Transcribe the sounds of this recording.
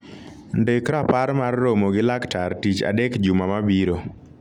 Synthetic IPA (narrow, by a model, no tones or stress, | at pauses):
ndekɾapaɾmarːomoɡɪlaktartit͡ʃa̰dekd͡ʒumamabiɾo